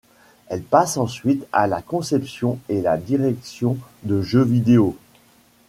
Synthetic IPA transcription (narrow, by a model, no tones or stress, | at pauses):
ɛlpasɑ̃sɥit̪a̰lakɔ̃sɛpsjɔ̃elad̪iʁɛksjɔ̃d̪əʒøvid̪eo